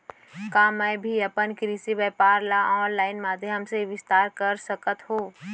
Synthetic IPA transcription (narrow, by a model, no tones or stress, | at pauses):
kaːmɛbʱiɐpənkɾiːsiʋɛːpaːɾlaʔɔːnlaːɪnmaːd̪ʱeɦɐmseʋɪst̪aːɾkɐɾsəkət̪ɦoː